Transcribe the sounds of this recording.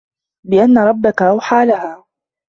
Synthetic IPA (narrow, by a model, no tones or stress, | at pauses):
bɪʔanːaɾˤɑbːakaʔawħaːlaɦaː